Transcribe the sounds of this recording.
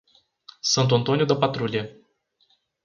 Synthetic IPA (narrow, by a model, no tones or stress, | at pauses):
sɨnt̪ɔnt̪onijud̪əpat̪ɾulʲije